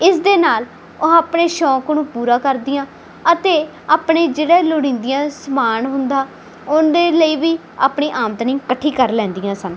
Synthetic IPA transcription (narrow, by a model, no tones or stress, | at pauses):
ɪsd̪eːnaːl | oaːpɳeːʃɔ̃ːknũːpuːɾãːkəɾd̪ɪjãː | ət̪eː | aːpɳeːd͡ʒeːɽeːloːɽĩːnd̪ɪjãːsəmaːnɦʊnd̪aː | ʊnd̪eːləiːʋiː | aːpɳiːʔaːmt̪nĩːkəʈʰːiːkəɾlɛ̃ːnd̪iːjãːsən